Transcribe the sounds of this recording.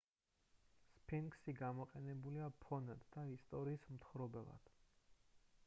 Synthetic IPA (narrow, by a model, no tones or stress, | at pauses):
spʰinksiɡamɔqʼɛnɛbuliapʰɔnad̪̥d̪aist̪ʼɔɾiːsmt̪ʰχɾɔbɛlˠa̰d̪̥